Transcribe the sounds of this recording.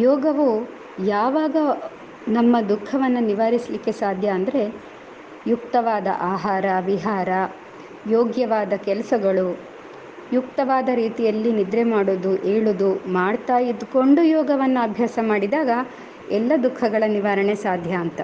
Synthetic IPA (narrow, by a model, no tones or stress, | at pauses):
jɔːɡɐʋu | jaːʋaːɡɐ | nɐmːɐd̪ukʰːɐʋɐnːuniʋaːɾislikːe̞saːd̪ʱjɐːnd̪ɐɾe̞ | jukt̪ɐʋaːd̪ɐ̰ʔaːɦaːɾɐʋiɦaːɾɐ | joːɡjɐʋaːd̪ɐkɛlɐsɐɡɐɭu | juk̚t̪ɐʋaːd̪ɐɾiːt̪ijɐlːinid̪ɾemaːɽoːd̪uʔeːɭuːd̪umaːɖt̪aːjid̪ko̞ɳɖujɔːɡɐʋɐnːuɐbʱjaːsɐmaːɽid̪aːɡɐ | ɛlːɐd̪ukʰːɐɡɐɭɐniʋaːɾɐɳesaːd̪ʱjɐːnt̪ɐ